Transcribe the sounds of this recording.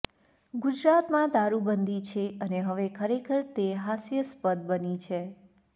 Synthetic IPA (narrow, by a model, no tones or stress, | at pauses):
ɡud͡ʒɾat̪mãd̪aɾubənd̪ʱit͡ʃʰeəneɦəʋekʰəɾekʰəɾt̪eɦasjəspəd̪̚bənit͡ʃʰe